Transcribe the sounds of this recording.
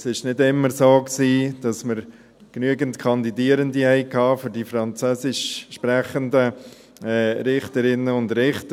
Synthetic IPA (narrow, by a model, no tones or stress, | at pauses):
sɪʃnɪdɪmːəɾsoːksiːd̥ɑsməɾ | knyəɡəntkʰɑndidiəɾəndihɛɪkʰɑːfʏɾdifɾɑnt͡søːsɪʃʃpɾæχəndə | ɛːɾɪχtəɾɪnːəʊndɾɪχtə